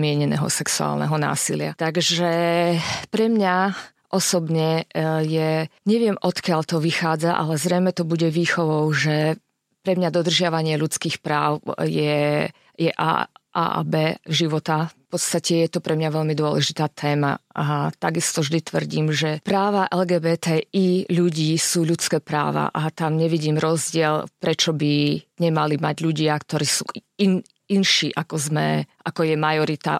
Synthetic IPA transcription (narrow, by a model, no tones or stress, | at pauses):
mɪɛɲɛnɛ̰ɦɔ̰sɛksua̰ːlnɛ̰ɦɔna̰ːsilɪa̰t̪aɡʒɛ | pɾɛmɲa | ʔɔsɔbɲɛjɛɲɛʋɪɛmɔt̪kɪaʎt̪ɔʋixaːd͡zaʔa̰lɛzɾɛjmɛt̪ɔbuɟɛʋiːxɔʋɔʊʒɛ | pɾɛmɲad̪ɔd̪r̩ʒɪaʋaɲɪɛʎut͡skiːxpɾaːʊjɛ | jɛʔa̰a̰bɛːʒiʋɔt̪afpɔt̪st̪acɛjɛt̪ɔpɾʔɛmɲaʋɛʎmid̪ʊɔlɛʒit̪aːt̪ʰɛːma̰at̪aɡist̪ɔvʒd̪it̪ʋr̩ɟiːmʒɛpɾaːʋaʔɛlɡɛːbɛːt̪ɛiʎuɟiːsuːʎut͡skɛːpɾa̰ːʋa̰ʔat̪amɲɛʋiɟiːmɾɔzɟɪɛlpɾɛt͡ʃɔbiɲɛmalimaɟʎuɟɪakt̪ɔɾiːsṵː | in | inʃiːʔakɔzmɛʔakɔjɛmajɔɾit̪a̰